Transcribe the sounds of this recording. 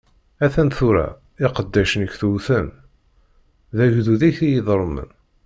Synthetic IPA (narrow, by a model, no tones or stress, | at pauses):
æθænθuɾæ̰ | ɪqəd̪ːæʃənəkːθuwθən | ðæʝðuðiçijiðɾˤmə̰n